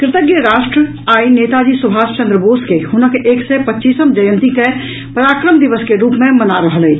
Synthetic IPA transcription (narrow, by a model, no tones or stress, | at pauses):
kɾɪt̪əɡjəɾaʃʈɾə | ainet̪ad͡ʒisubʱast͡ʃə̃nd̪ɾəboskehʊnəkʔeksɛpətːʃisəmd͡ʒəjə̃nt̪ike | pəɾakɾəmd̪iʋəskeɾuːpmẽmənaɾəɦəlɛi